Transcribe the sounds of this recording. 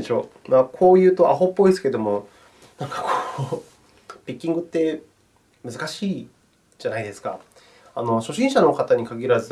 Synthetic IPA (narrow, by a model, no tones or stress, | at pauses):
eɕo̞ːmakʰo̞ːjɯ̟ːt̪o̞ʔa̰ɦopːo̞isɨ̥ke̞d̪omo̞ | nãŋkḁkʰoː | pʲikʲːĩŋɡɯ̟t̪ːe̞ | mɯzɨkaɕiː | d͡ʑanaid̪e̞sɨ̥ka̰ | ano̞ɕo̞ɕĩɰ̃ɕano̞kat̪aɲ̟ikaɡʲiɾazɨ